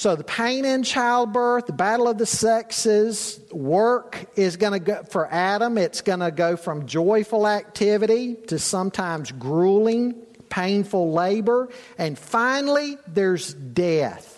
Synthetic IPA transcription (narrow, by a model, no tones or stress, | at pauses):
soʊðəpʰẽɪ̃ñɨ̃nt͡ʃʰaɪlˠd̚bɜ˞θðəbæɾl̩ˠʌvðɨsɛksɪz̥wɜ˞kɪzɡʌnɨɡfə˞ʔæɾə̃mɪtsɡ̥ʌnɨɡoʊfɹʌ̃md͡ʒɔɪfl̩ˠæk̚tʰɪvɨɾiɾɨsʌ̃mtʰãɪ̃mzɡɹulˠɪ̃ŋ | pʰẽɪ̃nfl̩ˠleɪbə˞ɨ̃nfãɪ̃nl̩ˠiðə˞zdɛθ